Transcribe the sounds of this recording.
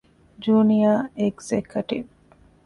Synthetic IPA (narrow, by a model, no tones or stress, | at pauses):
d͡ʒuːnijaːeɡzekʰuʈḭʋ